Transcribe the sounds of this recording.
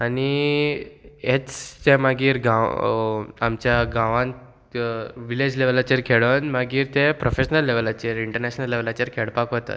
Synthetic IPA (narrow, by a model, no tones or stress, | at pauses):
ani | et͡st̪ẽmaɡiːɾɡãw | amt͡ɕjaɡãʋãn | ʋiled͡ʑleʋlat͡ɕəɾkʰeɭənmaɡiːɾt̪epɾofeɕnəlːeʋlat͡ɕeɾiɳʈəɾnɛɕnəlːeʋlat͡ɕəɾkʰeɭpakɦot̪a̰